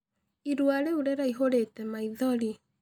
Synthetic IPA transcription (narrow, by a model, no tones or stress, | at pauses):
iɾwaɾeuɾeɾaiɦoɾetɛmaiðɔɾi